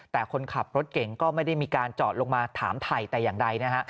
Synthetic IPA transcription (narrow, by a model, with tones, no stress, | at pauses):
t̪ɛː˨˩kʰo˧nkʰa˨˩p̚ɾo˦˥t̪̚ke˨˩ŋkɔː˥˩ma˥˩jda˥˩jmiː˧kaː˧nt͡ɕɔː˨˩t̪̚lo˧ŋmaː˧t̪ʰa̰ː˩˦mt̪ʰa˨˩jt̪ɛː˨˩jaː˨˩ŋda˧jna˦˥kʰa˦˥ʔ